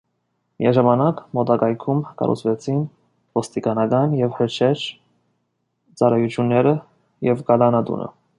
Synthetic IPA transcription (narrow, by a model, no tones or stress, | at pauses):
miɑʒɑmɑnɑkmɔt̪ɑkɑjkʰumkɑ̰rṵt͡sʰvɛt͡sʰin | vɔst̪ikɑnɑkɑnjɛvhəɾt͡ʃʰɛɾ | t͡sɑrɑjut͡ʃʰjunːɛɾə | jɛvkɑlɑnɑt̪ṵnə̰